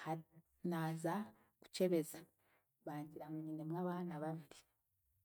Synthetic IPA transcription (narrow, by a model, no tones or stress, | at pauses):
ha | naza | ku̥ce̞βe̞za | βaːɲɟiɾamuɲinemwaːβaːnaβaβiɾi